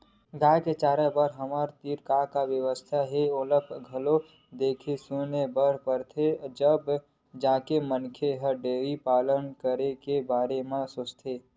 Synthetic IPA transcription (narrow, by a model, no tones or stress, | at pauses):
ɡaket͡ʃaːɾəbəɾɦəməɾt̪iɾkakaʋjəʋəst̪ʰaɦeoləpʰɡʱəlo | d̪eːkʰesunebəɾpəɾt̪ʰed͡ʒəb | d͡ʒaːkemənkʰeɦəɖeːɾipaːlənkəɾekebaːɾemẽsoːt͡ʃt̪ʰeː